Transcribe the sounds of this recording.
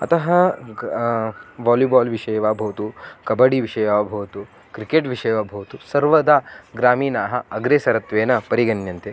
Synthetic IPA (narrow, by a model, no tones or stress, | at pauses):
ɐ̰t̪ɐɦɐ | ʋaːluːbaːlʋiʂɐjɐʋaːbʱɐʋɐt̪ukɐbɐɽiʋiʂɐjʋaːbʱɐʋɐt̪u | kɾikeːʈʋiʂɐjʋaːbʱɐʋɐt̪usɐɾʋɐd̪aɡɾaːmiːnaːɦɐ̆ɐɡɾeːsɐɾɐt̪ʋeːnɐpɐɾiɡɐnjɐnt̪e